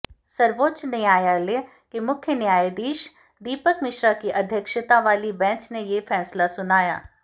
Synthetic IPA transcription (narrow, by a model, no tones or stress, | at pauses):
səɾʋoːt̪ːt͡ʃnɐĩaːjaleː | kimʊkʰjənɪjaːjed̪iːʃ | d̪iːpəkmɪʃɾakiʔəd̪ʱjəkʃət̪aʋaːlibɛ̃ːt͡ʃnejefʰɛːslasʊnaːja̰ː